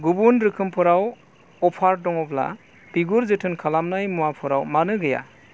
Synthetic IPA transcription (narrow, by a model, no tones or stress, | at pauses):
ɡubunɾɯkʰɯmpʰɯɾaw | ɔpʰaɾdɔŋɔbla̰ | biɡuɾzɯtʰɯnkʰalamnajmuapʰɯɾawmanɯɡɯja̰